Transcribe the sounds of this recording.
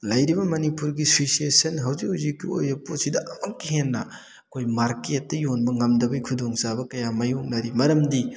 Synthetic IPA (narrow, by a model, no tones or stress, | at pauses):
lɐjɾibɐmɐnipuɾɡisosiesɐnɦawzikhawzikːio̰jɐpotsidɐʔɐmamkiɦenːɐ | ɐkʰojmaɾket̚ːɐjonbɐŋɐmdɐbɐjkʰudoŋzabɐkɐjamɐjoŋnɐɾimɐɾɐmdi